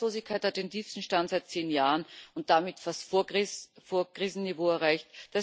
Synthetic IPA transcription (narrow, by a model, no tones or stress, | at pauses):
loːzɪçkʰːaɪthat̚d̥eːntʰiːfstn̩ʃtantz̥aɪt̚t͡seːnjaːʁənʊnt̚d̥amɪtfastfoɐfoːɐɡ̥ʁiːzn̩nivoːɛɐʁaɪçtd̥a